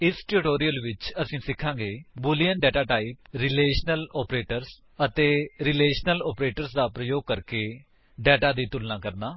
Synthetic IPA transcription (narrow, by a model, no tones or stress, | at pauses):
ɪsʈɾɪʈoːɾijəlʋɪt͡ʃəsĩːsɪkʰːãːŋɡeːbʊlijənɖɛːʈaːʈaːip̚ɾɪleːʃnəlɔːpɾeːʈəɾs | ət̪eːɾɪleːʃənəlɔːpɾeːʈəɾsd̪aːpɾəjoːɡ̚kəɾkeː | ɖɛːʈaːd̪iːt̪ʊlnãːkəɾnaː